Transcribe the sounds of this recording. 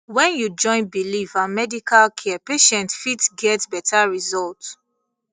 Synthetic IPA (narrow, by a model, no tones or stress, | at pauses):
wɛ̃njud͡ʒɔ̃ɪ̃nbilifamɛdikʰalkʰɛɛpeʃɛ̃ntfitɡɛtbɛtʰaɹizɔlt